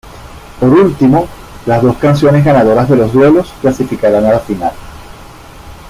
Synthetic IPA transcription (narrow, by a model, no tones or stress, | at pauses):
po̞ɾult̪imo̞ | lazðo̞skans̬jo̞ne̞zɣanaðo̞ɾazðe̞lo̞zðwe̞lo̞sklasifikaɾanalafinal